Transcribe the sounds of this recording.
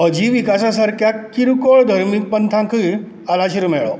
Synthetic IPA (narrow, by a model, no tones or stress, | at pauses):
əd͡ʑiʋikasasəɾkʰjakːiɾukoɭd̪ʱəɾmik̚pənt̪ʰãkʰɯ | alaɕiɾmɛɭɔ̰